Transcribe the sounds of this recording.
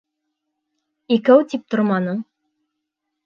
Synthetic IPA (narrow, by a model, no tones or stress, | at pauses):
ikæwt̪ip̚t̪ŏɾmɑnɤɴ